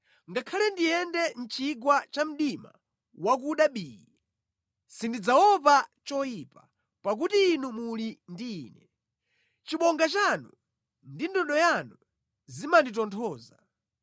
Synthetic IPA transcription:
ŋɡakʰalɛndijɛndɛn̩t͡ʃiɡwat͡ʃam̩ɗima̰ | wak̬uɗaɓiːji | sindid͡zawɔpat͡ʃɔjipa | pak̬utiːnumulindiːnɛ | t͡ʃiɓɔŋɡat͡ʃanu | ndindɔɗɔjanu | zimanditɔntʰɔːza

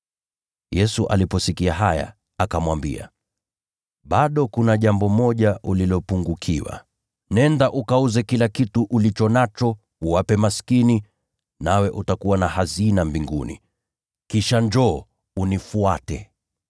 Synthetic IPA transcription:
jɛsuʔa̰lipɔsikiaɦaja̰ | akamwambḭa̰ | ɓaɗɔkunaʄambɔmɔʄaʔulilɔpuŋɡukʰiwa̰ | nɛndaʔukauzɛkilakituʔulit͡ʃɔnat͡ʃɔ | uwapɛmaskini | nawɛʔutakuwanahazinambiŋɡṵnḭ | kiʃand͡ʒɔː | unifuatɛ

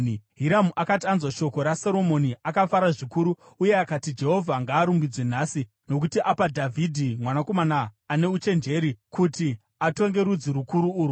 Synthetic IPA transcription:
ɦiɾamuʔakatianzwaʃo̞ko̞ɾasoɾo̞mo̞niakafaɾaʐikuɾu | uje̞akatid͡ʒe̞ɦo̞vʱaŋɡaːɾumbid͡zwen̤aːsi | no̞kutiʔapadʱavʱidʱimwanako̞manaːne̞ut͡ʃe̞nd͡ʒe̞ɾikuti | ato̞ŋɡe̞ɾud͡ziɾukuɾuːɾu

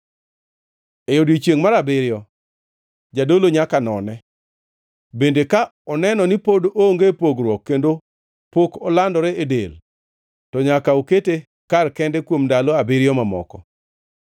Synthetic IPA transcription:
ejodit͡ʃjeŋmaɾabɪɾjɔ | d͡ʒadoloɲakanɔnɛ | bendekaɔnɛnɔnipodoŋɡepoɡɾwɔkːendo | pokɔlandɔɾɛedḛl | tɔɲakaokete | karkɛndɛkwomndalɔabɪɾɪjɔmamɔ̰kɔ

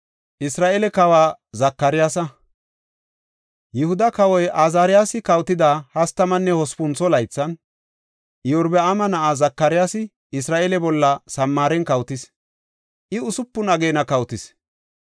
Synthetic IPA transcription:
ʔɪsɾaːʔɛlɛkɐwaː | zɐkːɐɾɪjaːsɐ | jɪhʊd̪ɐkɐwɔjʔaːzaːɾɪjaːsɪkɐwt̪ɪd̪aːhɐst̪ɐmɐnːɛhɔspʊnt͡sːɔlɐjt͡sːɐn | jɪʊɾbɛamɐnɐʔazɐkːɐɾɪjaːsɪ | ɪsɾaːʔɛlɛbɔlːɐsɐmːaːɾɛnkɐwt̪ɪs | ʔɪʊsʊpːʊnɐɡeːnɐkɐwt̪ɪs

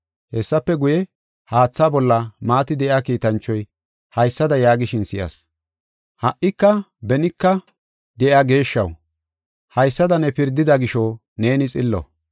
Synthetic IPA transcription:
hɛsːɐpːɛɡʊjɛ | haːt͡sːaːbɔlːɐmaːt̪ɪd̪ɛʔɪaːkiːt̪ɐnt͡ʃːɔj | hɐjsːɐd̪ɐjaːɡɪʃɪnsɪjɐ̰s | hɐʔɪkːɐbɛnɪkːɐ | d̪ɛʔjaːɡe̞ːʃːɐ̰w | hɐjsːɐd̪ɐnɛpɪɾd̪ɪd̪ɐɡɪʃɔ | ne̞ːnɪt͡sʼɪlːɔ̰

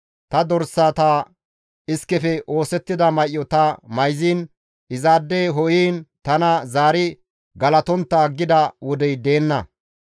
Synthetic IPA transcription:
t̪ɐd̪ɔɾsaːt̪aː | ɪskːɛfɛʔo̞ːsɛt̪ːɪd̪ɐmɐjʔːɔt̪ɐmɐjziːn | ɪzaːd̪ːeɦɔjiːnt̪ɐnɐzaːɾɪ | ɡɐlɐt̪ɔnt̪ːɐɡːɪd̪ɐwɔd̪ɛjd̪eːnːɐ

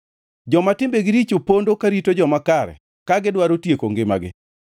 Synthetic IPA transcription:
d͡ʒɔmatɪmbeɡɪɾit͡ʃopondokaɾitod͡ʒɔmakaɾɛ̰ | kaɡɪdwaɾotjekoŋɡɪma̰ɡɪ̰

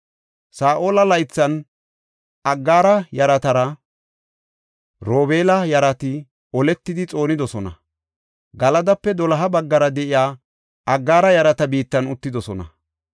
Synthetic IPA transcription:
saːʔo̞ːlɐlɐjt͡sːɐn | ɐɡːaːɾɐjɐɾɐt̪ɐɾɐ | ɾo̞ːbe̞ːlɐjɐɾɐt̪ɪ | ɔlɛt̪ːɪd̪ɪt͡sʼo̞ːnɪd̪ɔsɔnɐ̰ | ɡɐlɐd̪ɐpːɛd̪ɔlɐɦɐbɐɡːɐɾɐd̪ɛʔɪjaː | ɐɡːaːɾɐjɐɾɐt̪ɐbiːt̪ːɐnʊt̪ːɪd̪ɔsɔnɐ̰

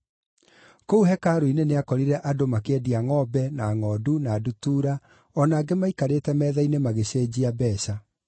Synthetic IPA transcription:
kouɦɛkaːɾoineneakɔɾiɾɛʔadomakeɛdiaŋɔbɛnaŋɔːdunaːdutuːɾa | ɔnaːɡemaikaɾeːtɛmɛːðainemaɣeɕeːd͡ʑiabɛːɕa

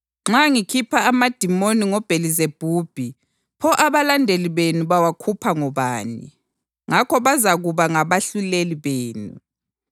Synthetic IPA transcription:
ŋ͡ǁaŋikʰipʰaːmad̥ʱimoniŋɔb̥ʱelizeb̥ʱuːb̥ʱi | pʰɔʔaβalandʱeliβenuβawakʰupʰaŋɔβaːnḭ | ŋakʰɔβazaɣuβaŋaβaɬuleliβeːnṵ

